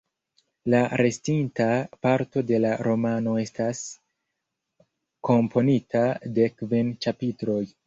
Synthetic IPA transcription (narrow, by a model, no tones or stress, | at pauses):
laɾe̞stintapaɾto̞de̞laɾo̞mano̞e̞stas | ko̞mpʰo̞nitade̞kvint͡ʃapitɾo̞j